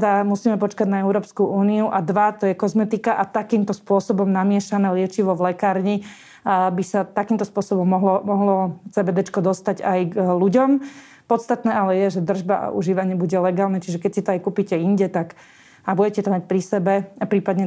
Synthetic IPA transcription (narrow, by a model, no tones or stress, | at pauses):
d̪amusiːmɛpɔt͡ʃkaɟnaɛʊɾɔːpskuʔuːniuʔad̪ʋat̪ɔjɛkɔzmɛt̪ikaʔat̪akiːmt̪ɔspʊɔsɔbɔmnamɪɛʃanɛːlɪɛt͡ʃiʋɔʋlɛkaːɾɲi | bisat̪akiːmt̪ɔspʊɔsɔbɔmːɔɦlɔmɔɦlɔt͡sɛːbɛd̪ɛt͡ʃkɔd̪ɔst̪aɟajɡluɟɔm | pɔt̪st̪at̪nɛːalɛjɛʒɛd̪r̩ʒbaʔa̰ʔṵʒiːʋaɲɪɛbuɟɛlɛɡaːlnɛt͡ʃiʒɛkɛcsit̪ɔajkuːpicɛiɲɟɛt̪ak | abuɟɛcɛt̪ɔmac̚pɾisɛbɛapɾiːpad̪ɲɛ